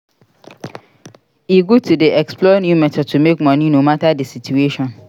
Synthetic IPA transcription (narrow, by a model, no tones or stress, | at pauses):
iɡotʰudeɛksplɔnjumɛtʰɔd̚tʰumekmɔ̃nĩnomatadɪsitʰueʃɔ̃n